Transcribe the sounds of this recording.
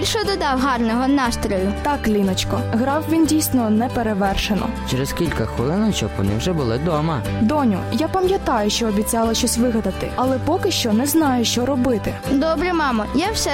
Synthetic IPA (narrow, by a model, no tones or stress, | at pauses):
ilʲʃɔd̪ɔd̪ɑwɦɑrnɔɦɔnɑst̪ɾʲɔlʲʊt̪ɑklʲinɔt͡ʃkɔɦɾɑwʋʲindʲijsʲnɔnɛpeɾeʋɛrʃenɔ̰t͡ʃeɾeskʲilʲkɐxɔlˠɪnɔt͡ʃɔkʋɔ̰nɪ̰wʒɛbʊlˠɪd̪ɔmɐd̪ɔnʲʊ̰japɐmʲjɐt̪ɑjʊʃt͡ʃɔːbʲit͡sʲɑlˠɐʃt͡ʃɔsʲʋɪɦɐd̪ɐt̪ɪ̰ɐlˠɛpɔkɪʃt͡ʃɔnɛznɑjʊʃt͡ʃɔɾɔbɪt̪ɪd̪ɔbɾɛmɑmɐjɛwsɛ